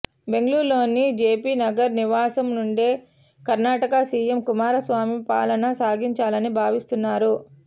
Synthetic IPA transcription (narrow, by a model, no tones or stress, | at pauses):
be̞ŋɡluːɾlo̞ːnid͡ʒeːpiːnɐɡɐɾniʋaːsɐmnuɳɖeː | kɐɾnaːʈɐkɐsiːemkumaːɾɐsʋaːmipa̰ːlɐnɐsaːɡiɲt͡ʃaːlɐnibʱaːʋist̪unːaːɾu